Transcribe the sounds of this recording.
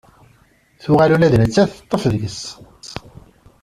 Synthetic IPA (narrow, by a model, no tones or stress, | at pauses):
θʊʁalulæðnət͡sːæθət̪ˤːəfðʝəs